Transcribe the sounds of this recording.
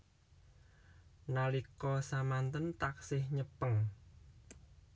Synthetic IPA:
nalikɔsamant̪ənt̪aksɪhɲəpəŋ

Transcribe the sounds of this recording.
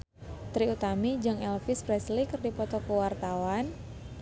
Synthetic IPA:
t̪ɾiut̪amid͡ʒɨŋɛlfispɾɛslikɨrdipɔt̪ɔkəwart̪awan

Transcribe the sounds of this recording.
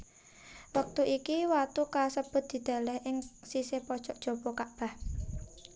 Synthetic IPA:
wək̚t̪uʔikiwat̪ukasəb̥ʊ̤t̪̚d̪̥i̤d̪̥a̤lɛhʔɪŋsisepɔd̥ʒ̥ɔʔdʒ̥o̤b̥ɔkaʔb̥a̤h

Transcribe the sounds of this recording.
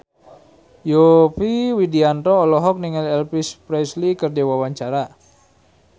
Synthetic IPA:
jopiwidiant̪ɔːlɔɦɔk̚niŋalɛlpispɾɛslikərdewawaɲt͡ʃaɾa

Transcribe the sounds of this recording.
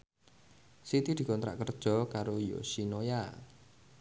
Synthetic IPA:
sit̪id̪̥i̤kɔnt̪ɾa̰ʔkərd̥ʒ̥ɔ̤kaɾojo̰sinoja

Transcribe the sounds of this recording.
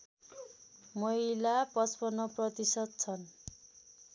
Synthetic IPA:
mʌɦilapʌspʌnʌprʌt̪isʌd̪̚t͡sʰʌn

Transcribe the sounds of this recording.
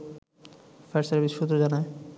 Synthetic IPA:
fɛɾseɾbiʃut̪ɾod͡ʑanae

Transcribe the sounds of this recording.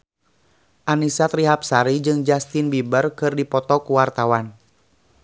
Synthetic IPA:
ʔanisat̪ɾiɦap̚saɾid͡ʒɨŋd͡ʒast̪inbibərkɨrdipɔt̪ɔkuwart̪awan

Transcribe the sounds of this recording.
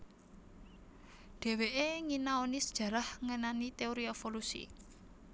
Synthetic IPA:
ɖ̪̥e̤weʔeŋinaonisə̥d̥ʒ̥ä̤ɾahŋənanit̪eoɾiefolusḭ

